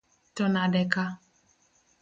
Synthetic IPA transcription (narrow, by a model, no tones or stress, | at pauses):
tɔnadɛka